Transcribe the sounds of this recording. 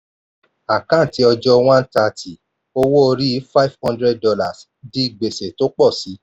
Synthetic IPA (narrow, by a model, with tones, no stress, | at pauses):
a˨kã˦˨ti˨˦ɔ˧d͡ʒɔ˦w̃ã˦n̩˦ta˧˨tʰi˨ | o˦wo˦o˧ɾi˦˨˦fa˦i˦vhɔ̃˦ndɾɛ˦d̚dɔ˧la˨s | di˦i˦˨ɡ͡be˨se˨to˦k͡pɔ˦˨si˨˦